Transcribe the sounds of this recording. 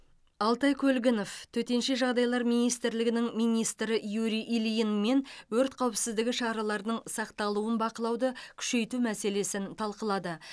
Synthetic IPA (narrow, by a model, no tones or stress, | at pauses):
ɑlˠt̪ɑjkʲʰɵlɡʲɪno̞ft̪ʰɵt̪e̞nʃe̞ʒɑʁd̪ɑjlˠɑɾmijnijst̪ɪɾlɪɡʲɪnɪŋmijnʲijst̪ɾɪjuɾijʔilʲijinme̞nwɵɾt̪qʰɑwəpsɪzd̪ɪɡʲɪʃɑɾɑlˠɑɾnəɴsɑqt̪ɑlˠuənbɑqəlˠɑwd̪əkʲʰʏ̥ʃe̞jt̪umæse̞le̞sɪnt̪ʰɑlˠqəlˠɑd̪ə